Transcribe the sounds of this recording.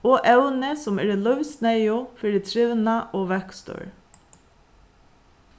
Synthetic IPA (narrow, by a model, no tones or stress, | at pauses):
oːʔɛwnɪsʊmɛ̰ːɹɪlœʋsnɛjʊfɪɾɪt̪ʰɾɪʋnaʔɔːʋɛkst̪ɔ̰ɹ